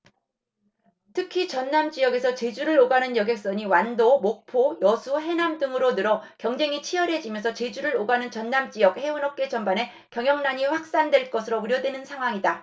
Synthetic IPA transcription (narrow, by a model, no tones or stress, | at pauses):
tʰɯkʰit͡ɕʌnːamd͡ʑijʌɡe̞sʰʌt͡ɕe̞d͡ʑuɾɯɾoɡanɯnjʌɡjek̚s͈ʌɲiwandomok̚pʰojʌsʰuɦe̞namdɯŋɯɾonɯɾʌkjʌŋd͡ʑe̞ŋit͡ɕʰijʌɾe̞d͡ʑimjʌnsʰʌt͡ɕe̞d͡ʑuɾɯɾoɡanɯnt͡ɕʌnːamt͡ɕ͈ijʌɡ̚heunʌp̚k͈e̞t͡ɕʌmbane̞ | kjʌŋjʌŋnaɲiɸwak̚s͈andwe̞ɭk͈ʌsʰɯɾouɾjʌdwe̞nɯnsʰaŋɦwaŋida